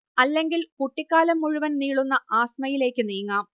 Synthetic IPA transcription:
ɐlːe̞ŋɡilkuʈːikʲːaːlɐmːuɻuʋɐnniːɭunːɐʔaːsmɐjile̞ːkːɨniːŋːaːm

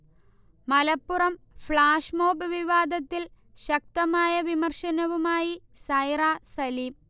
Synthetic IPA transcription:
mɐlɐpːurɐm | fɭaːʂmoːbɨʋiʋaːd̪ʱɐt̪ːil | ɕɐk̚t̪ɐmaːjɐʋimɐrʂɐnɐʋumaːjisɐjraːsɐliːm

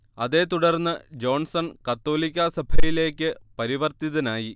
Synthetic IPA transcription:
ɐðe̞ːt̪uɽɐrnːɨd͡ʑo̞ːnsɐnkɐt̪ːo̞ːlikʲːɐsɐbʱɐjile̞ːkʲːɨpɐɾiʋɐrt̪iðɐnaːji

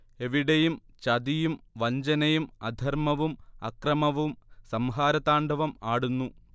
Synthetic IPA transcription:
e̞ʋiɽejum | t͡ɕɐd̪ijumʋɐɲd͡ʑɐnɐjumɐd̪ʱɐrmɐʋumɐkrɐmɐʋumsɐmɦaːɾɐðaːɳɖʱɐʋɐmaːɽunːu

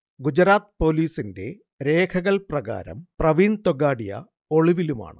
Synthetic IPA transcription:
ɡud͡ʑɐɾaːt̪po̞ːliːsinde̞̰ | ɾe̞ːkʰɐɣɐɭprɐɣa̰ːɾɐ̰mprɐʋiːɳt̪oɡaːɽijɐ̰ | oɭiʋiluma̰ːɳɨ̰

